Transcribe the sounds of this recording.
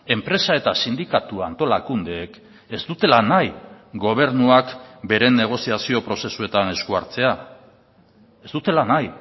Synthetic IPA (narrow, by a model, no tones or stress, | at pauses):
e̞mpɾe̞sae̞t̪asind̪ikat̪uant̪o̞lakund̪e̞ːk | e̞zd̪ut̪e̞lanajɡo̞β̞e̞ɾnuakbe̞ɾene̞ɣ̞o̞siasio̞pɾo̞se̞sue̞t̪ane̞skuaɾt͡se̞a | e̞zt̪ut̪e̞lanaj